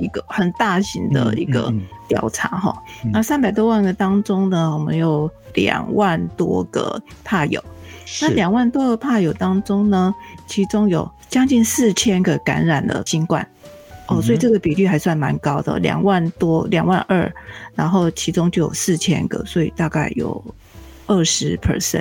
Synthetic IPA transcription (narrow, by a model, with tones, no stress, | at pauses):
i˧ɡə˧xə˨˩nt̪a˥˩ɕi˧˥ŋd̪ə̰˧ḭ˧˥ɡə̰˧t̪jɑ̰˨˩ʊʈ͡ʂʰa˧˥xɔ̰˥˧na˥˧sa˦npa˨˩ɪt̪wɔ˥wa˥˩nɡə˨t̪ɑ˥ŋʈ͡ʂo˥ŋnə˨wɔ˨˩mə̰˧˦njo˨˩ʊljɑ̰˨˩ŋwa˥˩nt̪wɔ̰˥ɡə̰˨˩pʰa˥˩jo̰˨˩˦ʊna˥˨ljɑ˨˩ŋwa˥˩nt̪wɔ˥ɡə˨pʰa˥˩jo˨˩ʊt̪ɑ˥ŋʈ͡ʂo˥ŋnə˨t͡ɕʰi˧˥ʈ͡ʂʊ˥ŋjo˨˩ʊ | t͡ɕjɑ˥ŋt͡ɕi˥˧nsɹ̩˥˩t͡ɕʰjɛ˥nɡə˨ka̰˧˥nɻa˨˩nd̪ə̰˦ɕi˥nkwa̰˥˩n | ɔ˥˩˨swɔ˧˥i˨˩ʈ͡ʂɤ˥˩ɡə˨˩pi˨˩ly˥˩xa˧˥ɪswa˥˩nma˧˦nkɑ˥ʊd̪ə̰˨ljɑ̰˨˩ŋwa˥˩nt̪wɔ˥ljɑ˨˩ŋwa˥˧nʔə̰˞˥˩na˧˥nxo˥˩ʊt͡ɕʰi˧˥ʈ͡ʂʊ˥ŋt͡ɕjo˥˩jo̰˨˩sɹ̩˥˩t͡ɕʰjɛ̰˥nɡə̰˨swɔ˧˥ḭ˨˩t̪a˥˧ka˥˩ɪjo̰˨˩ʊ | ə˥˩ʂɻ̩˧˥pʰə̰˨˩sɛ̰˥˨n